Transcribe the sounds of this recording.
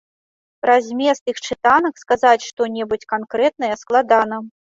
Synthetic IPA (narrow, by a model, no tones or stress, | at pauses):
ɾazʲmʲɛst̪ɨxt͡ʂɨt̪anɐkskazat͡sʲʂt̪ɔnʲɛbut͡sʲkankɾɛt̪̚nɐjɛsklˠad̪anɐ